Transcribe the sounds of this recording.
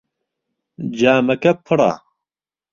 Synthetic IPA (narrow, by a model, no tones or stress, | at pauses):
d͡ʑaːmɐkɐpʰɨɽa̰ː